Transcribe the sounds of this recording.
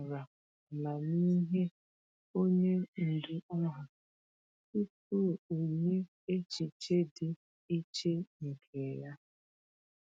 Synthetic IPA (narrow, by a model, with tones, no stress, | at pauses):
ɾa˨ | la˨ni˦ɦe˦ | o˦ɲe˦n̩˨du˦ɔ˦ɦa˨ | su˦tu˦˨o˨ɲe˦ | e˦t͡ʃi˨t͡ʃe˦dɪ˨ | i˦t͡ʃe˦ŋ̩˨kʰe˨ja˦